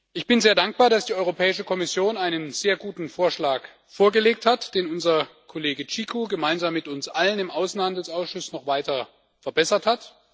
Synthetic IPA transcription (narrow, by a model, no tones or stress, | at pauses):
ʔɪçb̥ɪnzeːɐdaŋk̚b̥aːɐɾasd̥iːʔɔʏʁopʰɛːɪʃəkʰɔmɪsjoːnaɪnənzeːɐɡuːtn̩foːɐʃlaːk | foːɐɡəleːk̚thatd̥eːnʊnzɐkʰɔleːɡət͡ʃiːkʰuɡəmaɪnzaːmːɪtʊnsʔalənɪmʔaʊsn̩handl̩sʔaʊsʃʊsnɔχv̥aɪtɐ | fɛɐbɛsɐthat